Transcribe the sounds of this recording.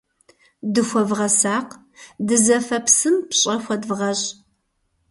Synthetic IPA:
dɨxʷɔvʁɐsaːq | dɨzɐfɐpsɨmpɕʼɐxʷɔdvʁɐɕʼ

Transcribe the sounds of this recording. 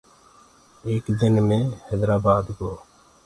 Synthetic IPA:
eːkd̪ɪnmẽːhɛːd̪ɾaːbaːd̪ɡoː

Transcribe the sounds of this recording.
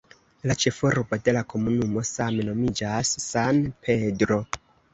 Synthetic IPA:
lat͡ʃe̞foɾbo̞de̞lakʰo̞munumo̞same̞no̞mid͡ʒasːanpʰe̞dɾo̞

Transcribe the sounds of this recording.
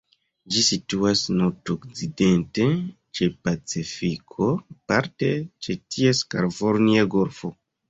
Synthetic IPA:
d͡ʒisituasnoɾtokt͡side̞nte̞ | t͡ʃe̞pat͡sifikʰo̞paɾte̞t͡ʃetʰieskaɾvoɾniaɡo̞ɾfo̞

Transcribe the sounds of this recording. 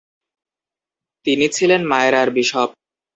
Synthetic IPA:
t̪init͡ɕʰilenmaeɾaɾbiʃɔb̚

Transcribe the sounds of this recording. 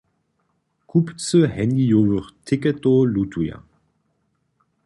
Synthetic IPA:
kʰupt͡səhɛniovəʁtʰɪkɛtolutʰuja̰

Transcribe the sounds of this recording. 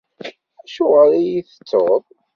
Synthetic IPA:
æʃʊʁəɾæjiθə̥t͡sːoðˤ

